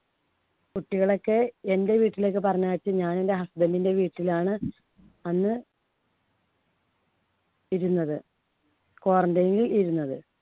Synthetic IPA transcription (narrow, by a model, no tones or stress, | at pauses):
kuʈːiɣɐɭo̞kːeende̞ʋiːʈːilo̞kːɨpɐrɐɲːaːʋit͡ɕːɨɲaːnende̞ɦɐsd̪ɐlːinde̞ʋiːʈːilaːɳɨ | ɐnːɨ | iɾunːɐðɨ | ko̞ːrɐɳdɐjŋɡiliɾunːɐðɨ